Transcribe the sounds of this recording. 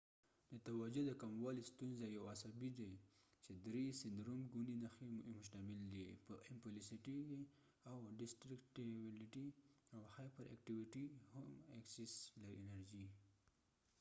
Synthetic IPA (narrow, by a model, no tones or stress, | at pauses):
d̪ət̪awad͡ʒod̪əkamwɑlist̪unzajawasabid̪at͡ʃed̪ɾesɪnd̪ɾomɡuninaximʊʃt̪amɪld̪ipəʔɪmpʊlisiʈike | awɖɪsʈɾɪkʈbɪlɪʈiawhajpəɾʔa̰k̚ʈiwiʈihamakseslaɾenaɾd͡ʒi